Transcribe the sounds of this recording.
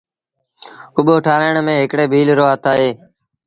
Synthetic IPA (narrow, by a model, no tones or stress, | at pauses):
ʊɓoːʈʰaːɾaːɳmẽːɦɪkɽeːbʱiːlɾoːət̪aːɦeː